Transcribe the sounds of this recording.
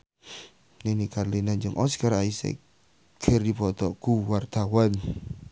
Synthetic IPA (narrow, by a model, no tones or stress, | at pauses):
nenikarlinaɲd͡ʒəŋʔɔskaɾaisḛ | ɡ̥ʰərdipɔt̪ɔkuwart̪awan